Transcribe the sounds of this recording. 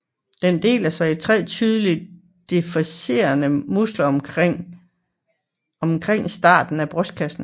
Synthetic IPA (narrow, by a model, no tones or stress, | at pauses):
d̥end̥e̝̰ːlæsɑɪit͡sʰʁɛ̰ːt͡sʰyð̞ˠəlid | d̥efæse̝̰ːɐnəmuslɐɒmŋ | ɒ̽mkʰʁeŋ̰sd̥ɑ̰̈ːd̥n̩æb̥ʁɔsd̥̚kʰæsn̩